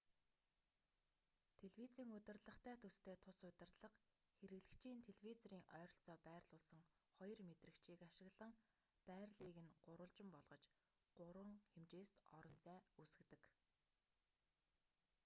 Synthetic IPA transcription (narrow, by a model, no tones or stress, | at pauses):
t̪ʰeɮwit͡siːŋɵt̪ɪ̆rɮə̆χt̪ʰæːt̪ʰɵst̪ʰeːt̪ʰʊsʊt̪ɪ̆rɮə̆q | xeɾɘ̆ɣɮɘ̆kt͡ɕʰiːnt̪ʰeɮwit͡sɔɾiːŋʔœːɾɞ̆ɬt͡sɔːpæːrɮʊːɮsə̆ŋ | χɔjɞ̆rmet̪rɘ̆kt͡ɕʰiːkaʃɪ̆ɣɮə̆ŋ | pæːrɮiːɣɘ̆nɢʊɾʊ̆ɮt͡ɕɪ̆mpɔɮʁɞ̆t͡ɕ | ɢ̥ʊɾwə̆ŋxemt͡ɕeːst̪ɔɾɞ̆nt͡sʰæːusɘ̆kt̪ɘ̆k